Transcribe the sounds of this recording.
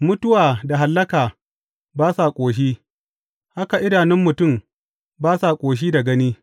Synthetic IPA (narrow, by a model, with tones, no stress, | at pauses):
mʊ˦tʊ˦waː˨da˨ɦa˨lːɐ˦kaː˨ | baː˦sa˨kʷʼoː˨ʃ̬iː˦ | ha˦ka˨ʔɪ˦daː˨nɪ˦mːʊ˨tʊ˦˨m | baː˦sa˨kʷʼoː˨ʃ̬iː˦da˨ɡɐ˦niː˦